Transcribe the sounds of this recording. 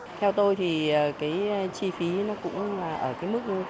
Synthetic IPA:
t̪ʰɛ˧wt̪o˧jt̪ʰi˨˩ʔəː˨˩kaː˨˦jt͡ɕi˧fi˨˦nɔ˨˦kʊ̰˧˥ŋ͡mlaː˨˩ʔəː˧˩kaː˨˦jmɨ˦˥k̚zʊ˧

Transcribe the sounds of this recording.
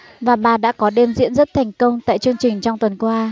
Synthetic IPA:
vaː˨˩ɓaː˨˩ɗa̰ː˧˥kɔ˨˦ɗe˧mzḭ˧˥ənzə˦˥t̚t̪ʰɛ˨˩jŋ̟kə˧wŋ͡mt̪a̰ː˧˨jt͡ɕɨ˧əŋt͡ɕï˨˩ŋ̟t͡ɕɔ˧wŋ͡mt̪wə˨˩nkwaː˧

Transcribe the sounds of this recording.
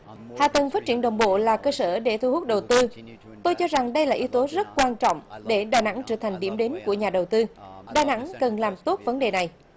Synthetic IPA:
ha̰ː˧˨t̪ə˨˩nfaː˦˥t̚t͡ɕi˧˩ənɗə˨˩wŋ͡mɓo̰˧˨laː˨˩kəː˧səː˧˩ɗe˧˩t̪ʰu˧hu˦˥t̚ɗə˨˩wt̪ɨ˧ | t̪o˧jt͡ɕɔ˧za˨˩ŋɗə˧jlaː˨˩ʔi˨˦wt̪o˨˦zə˦˥t̚kwaː˧nt͡ɕɔ̰˧˨wŋ͡mɗe˧˩ɗaː˨˩jna̰˧˥ŋt͡ɕəː˧˩t̪ʰa˨˩ŋ̟ɗḭ˧˩əmɗe˨˦nku˧˩əɲaː˨˩ɗə˨˩wt̪ɨ˧ɗaː˨˩jna̰˧˥ŋkə˨˩nlaː˨˩mt̪o˦˥t̚və˨˦nɗe˨˩na˨˩j

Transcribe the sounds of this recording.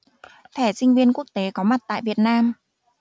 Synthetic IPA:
t̪ʰɛ˧˩sï˧ŋ̟vi˧ənku˦˥ək̚t̪e˨˦kɔ˨˦ma˨˩t̚t̪a̰ː˧˨jvi˨˩ət̚naː˧m

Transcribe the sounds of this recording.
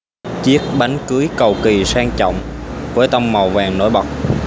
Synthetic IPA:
t͡ɕi˦˥ət̚ɓa˨˦jŋkɨ˨˦əjkə˨˩wki˨˩saː˧ŋt͡ɕɔ̰˧˨wŋ͡mvuː˨˦jt̪ə˧wŋ͡mma˨˩wvaː˨˩ŋno̰˧˦jɓa˨˩wk͡p̚

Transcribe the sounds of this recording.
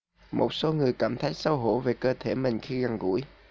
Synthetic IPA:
mo˨˩t̚so˨˦ŋɨ˨˩əjkaː˧˩mt̪ʰa˨˦˥jk̚sə˧wɦo˧˥ve˨˩kəː˧t̪ʰe˧˩mï˨˩ŋ̟xi˧ɣa˨˩ŋɣṵ˧˥j

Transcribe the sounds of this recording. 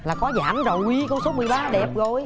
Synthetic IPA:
laː˨˩kɔ˨˦za̰ː˧˩mzə˨˩wʔi˨˦kɔ˧˦so˨˦mɨ˨˩əjɓaː˧ɗɛ˨˩p̚ɣo˨j

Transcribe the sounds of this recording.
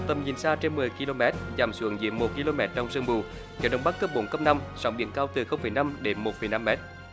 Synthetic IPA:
t̪ə˨˩mɲi˨˩nsaː˧t͡ɕe˧nmɨ˨˩əjki˧lo˧mɛ˦˥t̚zaː˨˩msɨ̰˨˧˩əŋzḭ˧˦əmmo˨˩t̚ki˧lo˧mɛ˦˥t̚t͡ɕɔ˧wŋ͡msɨ˧ŋvu˨˩ | ɲɛ˨˧˦ɗə˧wŋ͡mɓa˦˥k̚kə˦˥p̚ɓo˨˦nkə˦˥p̚na˧msa˨˦wŋ͡mɓḭ˧˨ənkaː˧wt̪ɨ˨˩xə˧wŋ͡mfə˨˩jna˧mɗe˨˦nmo˨˩fə˨˩jna˧mːɛ˦˥t̚

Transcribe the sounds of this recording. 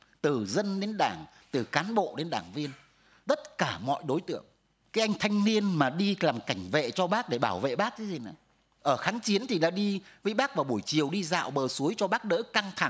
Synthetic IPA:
t̪ɨ˨˩zə˧nɗe˨˦nɗaː˧˩ŋ | t̪ɨ˨˩kaː˨˦nɓo̰˧˨ɗe˨˦nɗaː˧˩ŋvi˧ən | t̪ə˦˥t̚kaː˧˩mɔ̰˧˨jɗo˨˦jt̪ɨ̰˧˨əŋ | kaː˨˦jʔa˧jŋ̟t̪ʰa˧jŋ̟ni˧ənmaː˨˩ɗi˧laː˨˩mka˧˩jŋ̟vḛ˧˨t͡ɕɔ˧ɓaː˦˥k̚ɗe˧˩ɓaː˧˩wvḛ˧˨ɓaː˦˥k̚kaː˨˦jzi˨˩na˨˩j | ʔəː˧˩xaː˨˦ŋt͡ɕi˨˦ənt̪ʰi˨˩ɗa̰ː˧˥ɗi˧vəː˨˦jɓaː˦˥k̚vaː˨˩ɓu˧˩əjt͡ɕi˨˩əwɗi˧za̰ː˧˨wɓəː˨˩su˨˦əjt͡ɕɔ˧ɓaː˦˥k̚ɗə̰ː˧˥ka˧ŋt̪ʰa˧˩ŋ

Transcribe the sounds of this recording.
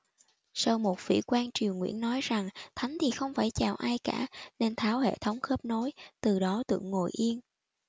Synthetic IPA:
səː˧wmo˨˩t̚vḭ˧˩kwaː˧nt͡ɕi˨˩əwŋwḭ˧˥ənːɔ˨˦jza˨˩ŋt̪ʰa˨˦jŋ̟t̪ʰi˨˩xə˧wŋ͡mfaː˧˩jt͡ɕaː˨˩wʔaː˧jkaː˧˩ne˧nt̪ʰaː˨˦whḛ˧˨t̪ʰə˨˦wŋ͡mxəː˦˥p̚no˨˦jt̪ɨ˨˩ɗɔ˨˦t̪ɨ̰˧˩˨əŋːo˨˩jʔi˧ən

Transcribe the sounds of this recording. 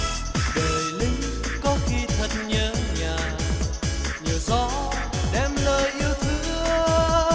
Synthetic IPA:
ɗəː˨˩jli˨˦ | kɔ˨˦xi˧t̪ʰə˧˩t̚ɲəː˧ɲaː˨˩ | ɲəː˨˩zɔ̰˧˨˦ | ɗɛ˧˩mləː˧jʔi˧əwt̪ʰɨ˨˦

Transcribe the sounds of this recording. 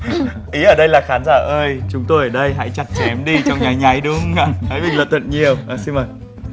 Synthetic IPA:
ʔi˨˦ʔəː˧˩ɗə˧jlaː˨˩xaː˨˦nzaː˧˩ʔəː˧jt͡ɕʊ˨˦ŋ͡mt̪o˧jəː˧˩ɗə˧jɦa̰˧˥jt͡ɕa˨˩t̚t͡ɕɛ˨˦mɗi˧t͡ɕɔ˧wŋ͡mɲa˨˦jɲa˨˦jɗʊ˨˦ŋ͡ma˧˩hə̰˨˧˥jmi˨˩ŋ̟lə̰˧˨˩t̪wə̰˧˨nɲi˨˩əwʔaː˨˩si˧mə˨˩j

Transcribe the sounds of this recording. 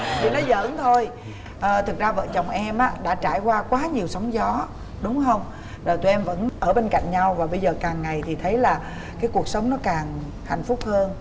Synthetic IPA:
t̪ʰi˨˩nɔ˨˦zə̰ː˧˥nt̪ʰo˧j | ʔəː˨˩t̪ʰɨ˨˩k̚zaː˧və̰ː˧˨t͡ɕə˨˩wŋ͡mʔɛ˧mʔaː˧˥ɗa̰ː˧˥t͡ɕaː˧˩jkwaː˧kwaː˨˦ɲi˨˩əwsə˨˦wŋ͡mzɔ˨˦ | ɗʊ˨˦ŋ͡mɦə˧wŋ͡m | zəː˨˩t̪u˧ʔɛ˧mvə̰˧˥nʔəː˧˩ɓe˧nka̰˧˨jŋ̟ɲa˧wvaː˨˩ɓə˧jzəː˨˩kaː˨˩ŋːa˨˩jt̪ʰi˨˩t̪ʰə˨˦jlaː˨˩ | kaː˨˦jku˨˩ək̚sə˨˦wŋ͡mnɔ˨˦kaː˨˩ŋ | ha̰˧˨jŋ̟fʊ˦˥k͡p̚həː˧n

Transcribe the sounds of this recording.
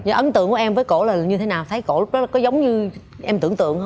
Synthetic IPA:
zɔ˨˩ʔə˨˦nt̪ɨ̰˧˨əŋku˧˩ʔɛ˧mvəː˨˦jko̰˧˩laː˨˩˨ɲɨ˧t̪ʰe˨˦naː˨˩wt̪ʰə˨˦jko̰˧˩˨ɗɔ˦˥lkɔ˨˦zə˨˦wŋ͡mɲɨ˧ | ʔɛ˧mt̪ɨ̰˧˩əŋt̪ɨ̰˧˨əŋhə˧

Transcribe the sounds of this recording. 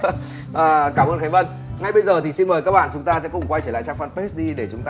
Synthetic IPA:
ʔəː˨˩kaː˧˩mʔəː˧nxa˨˦ŋvə˧n | ŋa˧jɓə˧jzəː˨˩t̪ʰi˨˩si˧nməː˨˩jkaː˦˥k̚ɓa̰ː˧˨t͡ɕʊ˨˦ŋ͡mt̪aː˧sɛ̰˧˥kʊ̰˧˩ŋ͡mkwa˧jt͡ɕəː˧˩la̰ː˧˨˩t͡ɕaː˧ŋfə˧npe˦˥sɗi˧ɗe˧˩t͡ɕʊ˨˦ŋ͡mt̪aː˧

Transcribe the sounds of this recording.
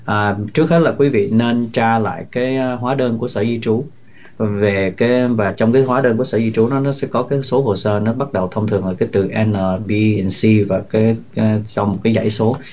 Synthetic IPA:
ʔəː˨˩t͡ɕɨ˦˥ək̚he˦˥t̚laː˨˩kwi˨˦vḭ˧˨ne˧nt͡ɕaː˧la̰ː˧˨jkaː˨˦jɦwaː˨˦ɗəː˧nku˧˩əsəː˧˩zi˧t͡ɕu˨˦ | ve˨˩kaː˨˦jvaː˨˩t͡ɕɔ˧wŋ͡mkaː˨˦jɦwaː˨˦ɗəː˧nku˧˩əsəː˧˩zi˧t͡ɕu˨˦nɔ˨˦nɔ˨˦sɛ̰˧˥kɔ˨˦kaː˨˦jso˨˦ɦo˨˩səː˧nɔ˨˦ɓa˦˥t̚ɗə˨˩wt̪ʰə˧wŋ͡mt̪ʰɨ˨˩əŋʔəː˧˩kaː˨˦jt̪ɨ˨˩ʔɛ˧nəː˨˩ɓi˧ɛ˧nsi˧vaː˨˩kaː˨˦˧zɔ˧wŋ͡mmo˨˩t̚kaː˨˦jza̰˧˩jso˨˦

